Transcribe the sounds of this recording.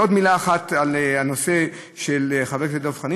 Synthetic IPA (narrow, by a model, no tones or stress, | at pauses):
o̞d̪milaːχat̪alanose̞ | ʃeleχavefvedovχani